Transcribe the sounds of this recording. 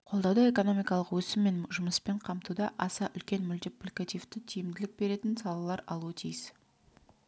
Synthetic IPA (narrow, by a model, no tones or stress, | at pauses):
qʰolˠd̪ɑwd̪əe̞ko̞no̞mijkɑlˠəqwɵsɪmːe̞nʒʊməspeɴqʰɑmt̪ud̪ɑʔɑsɑʔʏlkʲe̞nmʏld̪ɪplʲikat̪ijft̪ɪt̪ʰijɪmd̪ɪlɪk̚be̞ɾe̞t̪ɪnsɑlˠɑlˠɑɾɑlˠuət̪ʰijɪs